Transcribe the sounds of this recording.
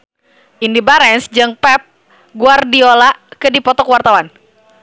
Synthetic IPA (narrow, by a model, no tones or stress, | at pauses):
ʔindibaɾɛnsd͡ʒɨŋpɛp̚ | ɡuardiolakədipɔt̪ɔkwart̪awan